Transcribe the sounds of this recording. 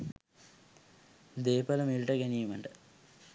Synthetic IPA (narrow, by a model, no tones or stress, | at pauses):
d̪eːpɐlɐmilʈɐɡɐnijmɐɳɖɐ